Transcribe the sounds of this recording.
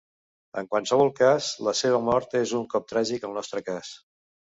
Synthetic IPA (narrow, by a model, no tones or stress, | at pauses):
ə̰ŋkwalsəβ̞ɔlˠkazləseβ̞əmɔɾt̪ezuŋkɔp̚t̪ɾaʒikəlˠnɔst̪ɾəkas